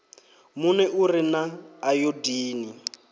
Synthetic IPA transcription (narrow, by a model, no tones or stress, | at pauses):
munɛʔurinaːjodiːni